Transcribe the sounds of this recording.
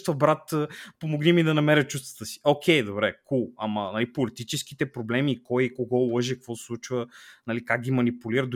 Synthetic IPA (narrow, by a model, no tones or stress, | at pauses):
t̪vɐbɾat̪ːpomoɡnimid̪ɐnɐmɛɾʲət͡ʃust̪və̥t̪əsi̥okʰʲɛjd̪obɾɛkuɐmɐnɐlipolit̪it͡ʃɛskit̪ɛpɾoblɛmikɔjkoɡɔʊlˠɤʒɛkɐkvɔsslˠut͡ʃvənɐlikak̚ɡʲimɐnipuliɾəd̪